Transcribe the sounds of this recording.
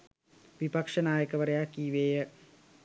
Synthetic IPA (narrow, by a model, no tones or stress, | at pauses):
ʋipɐkʂɐnaːjəkɐʋɐɾɐjakːiːʋeːjə